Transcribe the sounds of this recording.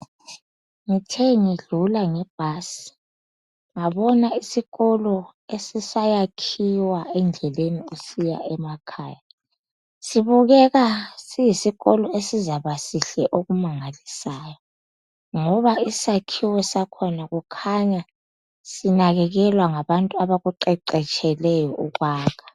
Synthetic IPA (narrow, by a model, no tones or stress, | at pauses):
ŋitʰɛŋiɮulaŋɛb̥̚ʱasi̥ | ŋaβɔnaisiɣɔlɔesisajakʰiwaɛnd͡ɮʱɛleniusija̰ʔɛmakʰa̰ːja | siβuɣɛɣasijisiɣɔlɔesizaβasiɬɛʔoɣumaŋalisaːjɔ | ŋɔβaisakʰiwɛsakʰɔnaɣukʰaɲa | sinaɣɛɣɛlwaŋaβantʼuaβaɣuǃɛǀɛt͡ʃʼʰɛlɛjɔʔuɣaːɣʰḁ